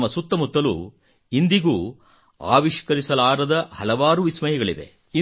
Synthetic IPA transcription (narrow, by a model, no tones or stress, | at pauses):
mːɐsut̪ːɐmut̪ːɐlṵ | ind̪iɡuː | a̰ːʋiʃkɐɾisɐlaːɾɐd̪ɐhɐlɐʋaːɾuʋismɐjiɡɐɭid̪e̞̰ | i